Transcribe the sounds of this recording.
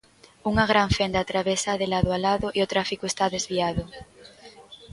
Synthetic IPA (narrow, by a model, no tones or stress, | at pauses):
uŋaɣ̞ɾaɱfend̪at̪ɾaβesaðelaðoalaðoʔiot̪ɾafikoest̪aðezβiaðo